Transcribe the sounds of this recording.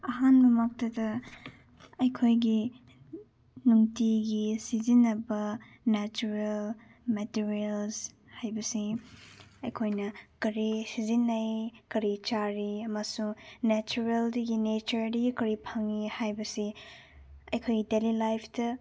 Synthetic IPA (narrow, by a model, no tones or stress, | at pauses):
ɐɦanbɐmɐk̚tɐdɐ | ɐjkʰojɡi | nuŋtiɡisizinːɐbɐ | net͡ʃuɾel | metiɾiels | hajbɐsi | ɐjkʰojnɐkɐɾisizinɐjkɐɾit͡ʃaɾiɐmɐsunet͡ʃuɾeldɐɡinet͡ʃɐɾdɐɡikɐɾipʰɐŋihajbɐsi | ɐjkʰojɡidelilajpʰdɐ